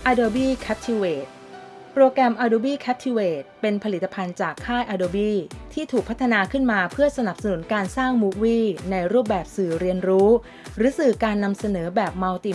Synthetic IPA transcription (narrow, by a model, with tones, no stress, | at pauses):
ʔaː˧doː˧biː˥˩kʰɛ˦˥p̚t̪ʰi˧˥weː˨˩t̪̚ | pɾoː˧kɾɛ˧mʔaː˧doː˧biː˥˩kʰɛ˦˥p̚t̪ʰi˧weː˨˩t̪̚pe˧npʰa˧li˨˩t̪ːa˧pʰa˧nt͡ɕaː˨˩kʰːaː˥˩jʔaː˧doː˧biː˥˩t̪ʰiː˥˩t̪ʰuː˨˩k̚pʰa˦˥t̪ʰːa˧naː˧kʰɯ˥˩nmaː˧pʰɯ˥˩ɐsa˧na˨˩p̚sa˧nu˩˦nkaː˧nsaː˥˩ŋmu˦˥k̚wiː˥˩na˧jɾu˥˩p̚bɛː˨˩p̚sɯː˨˩ɾi˧ənɾuː˦˥ | ɾɯː˨˦sɯː˨˩kaː˧nːa˧msa˧nɤː˩˦bɛː˨˩p̚ma˧wt̪i˨˩